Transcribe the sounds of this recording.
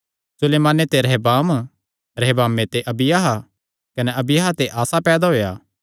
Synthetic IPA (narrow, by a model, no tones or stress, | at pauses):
sʊleːmãːnet̪eɾɐɦbaːm | ɾɛɦbaːmːet̪eʔɐbɪjaɦa | kɐnɛɐbɪjaːɦat̪eʔaːsapɛːd̪aɦoːja̰ː